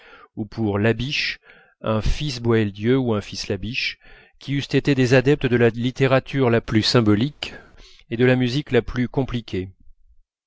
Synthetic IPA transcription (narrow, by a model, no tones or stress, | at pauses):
upʰuʁlabiʃ | ɛ̃fisbwaɛld̪jøuɛ̃fislabiʃ | kʲʰiyst̪et̪ed̪ezad̪ɛp̚t̪əd̪əlalit̪eʁat̪ʰyʁlaplysɛ̃bɔlik | ed̪əlamyziklaplykɔ̃plikʲʰe